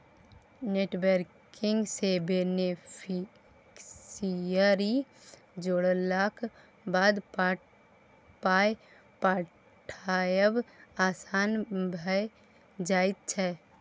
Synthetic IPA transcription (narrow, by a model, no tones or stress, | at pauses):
neːʈwəɾkɪ̃ŋɡsebenepʰɪ | ksijəɾi | d͡ʒoɽlaːkʰ | baːd̪ | paːe | pa | ʈʰajəbaːsaːnbʱəj | d͡ʒaːɪt̪̚t͡ʃʰɛ